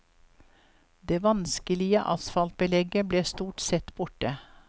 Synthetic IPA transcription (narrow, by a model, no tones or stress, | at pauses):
d̪eːʋɑnskəlɪəʔɑsfɑlt̪̚bəlɛɡəbleːst̪uːʈsɛt̪b̥ʊʈə